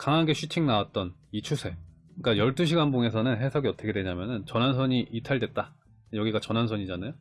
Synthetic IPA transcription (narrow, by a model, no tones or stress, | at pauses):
kaŋaɡe̞ɕʰut͡ɕʰiŋnawat̚t͈ʌnit͡ɕʰusʰe̞ | ik͈ajʌɭt͈uɕʰiɡanbuŋe̞sʰʌnɯnɦe̞sʰʌɡiʌtʰʌkʰedweɲamjʌnɯnt͡ɕʌnɦans̬ʰʌɲiʔitʰaɭdwe̞t̚t͈a | jʌɡiɡat͡ɕʌnɦansʰʌɲid͡ʑanajo